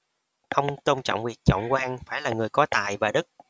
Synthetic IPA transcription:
xə˧wŋ͡mt̪o˧wŋ͡mt͡ɕɔ̰˧˨wŋ͡mwi˨˩t̚t͡ɕɔ̰˧˨wŋ͡mkwaː˧ŋfaː˧˩jlaː˨˩ŋɨ˨˩əjkɔ˨˦t̪a̰ː˧˨jvaː˨˩ɗɨ˦˥k̚

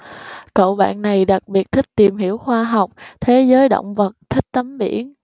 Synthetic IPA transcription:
kə̰˧˨wɓa̰ː˧˨nːa˨˩jɗa˨˩k̚ɓi˨˩ət̚t̪ʰï˦˥k̚t̪i˨˩mɦi˧˩əwxwaː˧ɦa˨˩wk͡p̚t̪ʰe˨˦zəː˨˦jɗə̰˧˨wŋ͡mvə˨˩t̚t̪ʰï˦˥k̚t̪ə˨˦mɓḭ˧˩˥ən

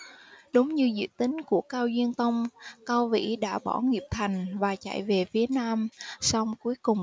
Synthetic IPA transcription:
ɗo˨˦wŋ͡mɲɨ˧zɨ̰˧˨t̪ï˨˦ŋ̟ku˧˩əkaː˧wzwi˧ənt̪ə˧wŋ͡mkaː˧wvḭ˧˥ɗa̰ː˧˥˩ɓɔ˧˩ŋi˨˩əp̚t̪ʰa˨˩jŋ̟vaː˨˩t͡ɕa̰˧˨jve˨˩fi˨˦ənaː˧msɔ˧wŋ͡mku˨˦əjkʊ˨˩ŋ͡m

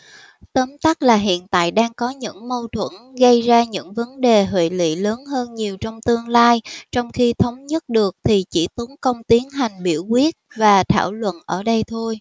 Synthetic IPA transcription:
t̪əː˨˦mt̪a˦˥k̚laː˨˩ɦḭ˧˨ənt̪a̰ː˧˨jɗaː˧ŋkɔ˨˦ɲɨ̰˧˥ŋmə˧wt̪ʰwə̰˧˩nɣə˧jzaː˧ɲɨ̰˧˥ŋvə˨˦nɗe˨˩ɦwḭ˧˨lḭ˧˨ləː˨˦nɦəː˧nɲi˨˩əwt͡ɕɔ˧wŋ͡mt̪ɨ˧əŋlaː˧jt͡ɕɔ˧wŋ͡mxi˧t̪ʰə˨˦wŋ͡mɲə˦˥t̚ɗɨ˨˩ək̚t̪ʰi˨˩t͡ɕḭ˧˩t̪ə˨˦ŋkə˧wŋ͡mt̪i˨˦ənɦa˨˩jŋ̟ɓḭ˧˩əwkwi˦˥ət̚vaː˨˩t̪ʰaː˧˩wlwə̰˧˨nʔəː˧˩ɗə˧jt̪ʰo˧j

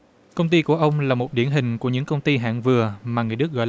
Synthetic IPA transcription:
kə˧wŋ͡mt̪i˧ku˧˩əʔə˧wŋ͡mlaː˨˩mo˨˩ɗi˧˩ənɦï˨˩ŋ̟ku˧˩əɲɨ̰˧˥ŋkə˧wŋ͡mt̪i˧ɦa̰ː˧˨ŋvɨ˨˩əmaː˨˩ŋɨ˨əjɗɨ˦˥k̚ɣɔ̰˧˨l

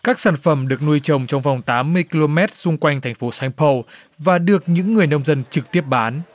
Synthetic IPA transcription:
kaː˦˥k̚saː˧˩nfə˧˩mɗɨ˨˩ək̚nu˧əjt͡ɕə˨˩wŋ͡mt͡ɕɔ˧wŋ͡mva˨˩wŋ͡mt̪aː˨˦mːɨ˧əjki˧lo˧mɛ˦˥t̚sʊ˧ŋ͡mkwa˧jŋ̟t̪ʰɛ˨˩ŋ̟fo˨˦sa˧ŋpʰə˧w | vaː˨˩ɗɨ˨˩ək̚ɲɨ̰˧˥ŋːɨ˨˩əjnə˧wŋ͡mzə˧nt͡ɕɨ˨˩k̚t̪i˦˥əp̚ɓaː˨˦n

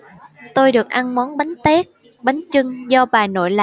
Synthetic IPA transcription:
t̪o˧jɗɨ˨˩ək̚ʔa˧nmɔ˨˦nɓa˨˦jŋ̟t̪ɛ˦˥k̚ | ɓa˨˦jŋt͡ɕɨ˧ŋzɔ˧ɓaː˨˩jno̰˧˨jla̰˧˨

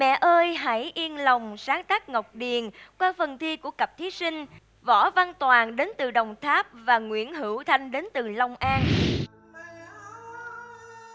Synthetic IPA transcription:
mɛ̰˧˨ʔəː˧jɦa˧˩jʔi˧ənlə˨˩wŋ͡msaː˨˦ŋt̪aː˦˥k̚ŋə˨˩wk͡p̚ɗi˨˩ənkwaː˧fə˨˩nt̪ʰi˧ku˧˩əkə˨˩p̚t̪ʰi˨˦sï˧ŋ̟ | vɔ˧˩vaː˧nt̪waː˨˩nɗe˨˦nt̪ɨ˨˩ɗə˨˩wŋ͡mt̪ʰaː˦˥p̚vaː˨˩ŋwḭ˧˥˩ənɦɨ˧˩wt̪ʰa˧jŋɗe˨˦nt̪ɨ˨˩lə˧wŋ͡mʔaː˧n

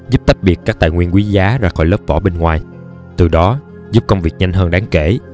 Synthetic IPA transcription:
zu˦˥p̚t̪a˦˥t̚ɓi˨˩ət̚kːaː˦˥k̚t̪a̰ː˧˨jŋwi˧ənkwi˨˦zaː˨˦zaː˧xɔ˧˩jləː˦˥p̚vɔ˧˩ɓe˧nŋwaː˨˩j | t̪ɨ˨˩ɗɔ˨˦ | zu˦˥p̚kə˧wŋ͡mvi˨˩ək̚ɲa˧jŋ̟ɦəː˧nɗaː˨˦ŋke˧˩

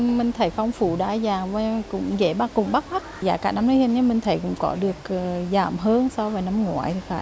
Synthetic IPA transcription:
mï˨˩ŋ̟t̪ʰə˨˦jfɔ˧wŋ͡mfu˧˩˦ɗa̰ː˧˩zaː˨˩vaː˨˩kʊ̰˧˥ŋ͡mze˧˩ɓaː˧kʊ̰˧˩ŋ͡mɓa˦˥k̚ma˦˥t̚za̰ː˧˨˩kaː˧˩na˧mnə˨˦hi˧˩nɲə˧mï˨˩ŋ̟t̪ʰə˨˦jkʊ̰˧˥ŋ͡mkɔ˨˦ɗɨ˨˩ək̚ːzaː˨˩mɦəː˧nsa˧wvaː˨˩jna˧mŋwa̰ː˧˦jt̪ʰi˨˩faː˧˩j

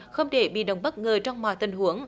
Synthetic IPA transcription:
xə˧wŋ͡mɗe˧˩ɓḭ˧˨ɗə˨˩wŋ͡mɓə˦˥t̚ŋəː˨˩t͡ɕɔ˧wŋ͡mmɔ̰˧˨jt̪i˨˩ŋhu˨˦əŋ

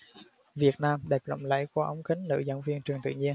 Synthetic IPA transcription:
vi˨˩ət̚naː˧mɗɛ˨˩p̚lə̰˧˨ŋ͡mlə̰˧˥˨jkaː˧˩ʔə˧˦wŋ͡mkï˨˦ŋ̟nɨ̰˧˥zə̰˧˥wŋ͡mvi˧ənt͡ɕɨ˨˩əŋt̪ɨ̰˧˨ɲi˧ən

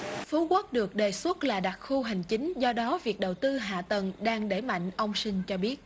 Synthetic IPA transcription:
fu˨˦kwə˦˥t̚ɗɨ˨˩ək̚ɗe˨˩swə˦˥t̚laː˨˩ɗa˨˩t̚xu˧ɦa˨˩jŋ̟t͡ɕï˨˦ŋ̟zɔ˧ɗɔ˨˦vi˨˩ək̚ɗə˨˩wt̪ɨ˧ɦa̰ː˧˨t̪ə˨˩nɗaː˧ŋɗe˧˩ma̰˧˨ŋ̟ʔə˧wŋ͡msï˧ŋ̟t͡ɕɔ˧ɓi˦˥ət̚

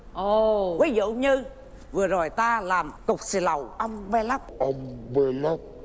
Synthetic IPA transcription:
ʔo˨˧˩kwa˨˦zṵ˧˨˦ɲɨ˧ | vɨ˨˩ə˩zo˨˩jt̪aː˧laː˨˩mt̪ʊ˨˩k͡p̚si˧˩lə˨˩wʔə˧wŋ͡mɓɛ˧la˦˥k͡p̚ʔə˧wŋ͡mɓe˧nɔ˦˥k̚

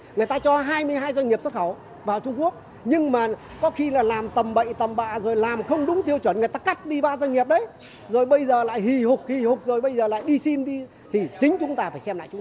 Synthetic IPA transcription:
ŋɨ˨əjt̪aː˧t͡ɕɔ˧ɦaː˧jmɨ˧əjɦaː˧jzwa˧ɲ̟ɲi˨˩p̚swt̚xə˧˩w | vaː˨˩wt͡ɕʊ˧ŋ͡mku˦˥ək̚ | ɲɨ˧ŋmaː˨˩ | kɔ˨˦xi˧laː˨˩laː˨˩mt̪ə˨˩mɓə̰˧˨jt̪ə˨˩mɓa̰ː˧˨zo˨˩jlaː˨˩mxə˧wŋ͡mɗʊ˨˦ŋ͡mt̪i˧əwt͡ɕwə˧˩nŋɨ˨˩əjt̪aː˧ka˦˥t̚ɗi˧ɓaː˧zwa˧ɲ̟ɲi˨˩əp̚ɗə˨˦j | zo˨˩jɓə˧jzəː˨˩la̰ː˧˨jhi˨˩hʊ˨˩k͡p̚hi˨˩hʊ˨˩k͡p̚zo˨˩jɓə˧jzəː˨˩la̰ː˧˨jɗi˧si˧nɗi˧ | t̪ʰi˨˩t͡ɕï˨˦ŋ̟t͡ɕʊ˨˦ŋ͡mt̪aː˧faː˧˩jsɛ˧mla̰ː˧˨jt͡ɕʊ˨˦˧

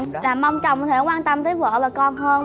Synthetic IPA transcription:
laː˨˩ma˧wŋ͡mt͡ɕɔ̰˨wŋ͡mt̪ʰe˧˩˦kwaː˧nt̪ə˧mt̪əː˨˦jvə̰ː˧˨vaː˨˩kɔ˧nhəː˧n

